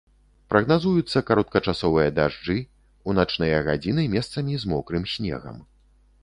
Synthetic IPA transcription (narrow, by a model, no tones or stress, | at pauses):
pɾɐɣnazujut̪sːɐkaɾɔt̪̚kɐt͡ʂasɔvɨjɐd̪aʐd͡ʐɨ | unat͡ʂnɨjɐɣad͡zʲinɨmʲɛst̪sɐmʲizmɔkɾɨmsʲnʲɛ̰ɣɐ̰m